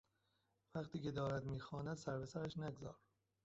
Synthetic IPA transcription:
væqt̪ʰiːce̞d̪ɒːɾæd̪miːxɒːnæd̪sæɾpesæɾæʃnæɡzɒ̰ːɾ

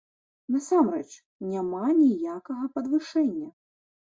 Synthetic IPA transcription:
nɐsamɾɛt͡ʂ | nʲamanʲijakɐɣɐpɐd̪vɨʂɛnʲːɐ

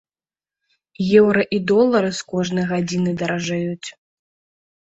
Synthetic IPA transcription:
jɛwɾɐʔid̪ɔlˠːɐɾɨskɔʐnɨjɣad͡zʲinɨd̪ɐɾɐʐajut͡sʲ

